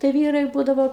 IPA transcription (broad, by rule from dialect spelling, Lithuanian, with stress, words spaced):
tɐɪ ˈʋʲiːrɐɪ ˈbuːdɐʋoː